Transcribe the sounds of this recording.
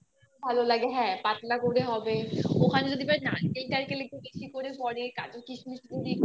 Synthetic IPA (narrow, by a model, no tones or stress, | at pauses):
bʱalolaɡeɦɛ̃pat̪lakoɾeɦɔbeokʰaned͡ʒod̪ʱibaenankelʈ̪aɾkelekʰebeʃikoɾepɔɾeka̰d͡ʑokit͡ɕʰubiʃʰud̪idik